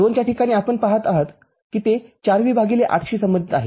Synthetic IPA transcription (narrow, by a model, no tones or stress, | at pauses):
d̪ont͡ɕjaʈikaɽ̃iːapəɳpaɦət̪aɦət̪ | kiːt̪et͡ɕaɾʋiːbʱaɡileʔa̰ʈʰɕiːsəməd̪ʱit̪aɦḛ